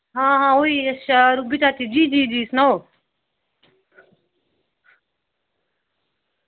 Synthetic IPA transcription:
ɦãːɦãːoiʃaɾubit̪at̪id͡ʒiːd͡ʒiːd͡ʒiːsnao

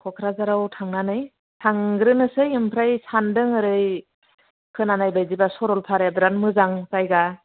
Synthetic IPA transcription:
kʰɔkʰɾazaɾawtʰaŋnanɯj | tʰaŋɡɾɯnɯsɯjɯmpʰɾajsandɯŋɯɾɯj | kʰɯnanajbajzibasɔɾɔlpʰaɾjadɾanmɯzaŋkajɡa

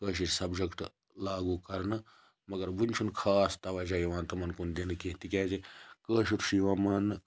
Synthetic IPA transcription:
kəːʃit͡ʃsɐbd͡ʒɐkʈ | laːɡuːkɐɾnɨ | mɐɡɐɾbunʲt͡ʃʰunkʰaːst̪ɐʋad͡ʒaːiʋãːnt̪ɐmɐnkund̪inkeːt̪ikʲaːd͡ʒekəːʃut̪ʃiʋaːmɐn

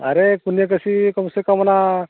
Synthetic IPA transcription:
a̰ɾekunjak̬əsikɔmsekamana

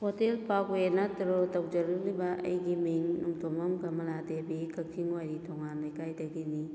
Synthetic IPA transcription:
hotelpakwenɐtɾotɐwd͡ʒɐɾɐk̚libɐʔɐ̰jɡimiŋnumtomɐmɡɐmɐladebikʰɐk̚siŋwajɾitʰoŋanlɐjkʰajdɐɡini

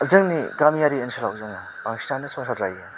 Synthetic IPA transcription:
zɯŋniɡamijaɾiensʰɯlawzɯŋaaŋsinanɯsɔŋsʰatɾaja

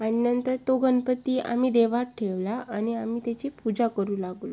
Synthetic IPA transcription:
əninənt̪əɾt̪oɡənpət̪iːʔa̰m̤iːd̪eʋaʈ̚ʈʰeʋlaʔañiamiːt̪at͡ɕiːpud͡zakəɾuːlaɡlo

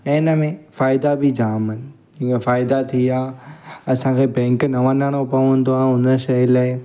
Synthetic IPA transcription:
ɛnəmẽfaːɪd̪abid͡ʑaːmɪnɪ̆ | d͡ʑĩːkefaːɪd̪at̪ʰiaːɐsãkʰebɛ̃ːŋknɐʋɐ̃naːɽ̃opɐʋə̃n̆d̪oaːʊnəʃɐlaːɪ

